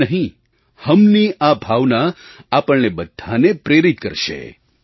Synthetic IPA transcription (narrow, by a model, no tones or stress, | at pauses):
əɦĩ | həmniʔabʱaʋnaapəɭnebəd̪ʱːanepɾeɾit̪̚kə̰ɾʃḛ